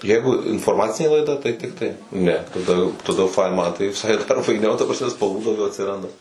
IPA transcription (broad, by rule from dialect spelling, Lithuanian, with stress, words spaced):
ˈjɛɪɡʊ ɪnfoːˈrmɑːt͡sʲɪnʲeː lˠɐɪˈdɐ tɐɪ ˈtʲɪktɐɪ ˈnʲɛ tɐˈdɐ tɐˈdɐ jɛʊ ˈfɐɪn ˈmɐn tɐɪ ʋʲɪˈsɐɪ dɐr fɐɪˈnʲɛʊ tɐ prɐsʲˈmʲɛ spɐlˠˈʋuː dɐʊˈɡʲɛʊ ɐtʲsʲɪˈrɐndɐ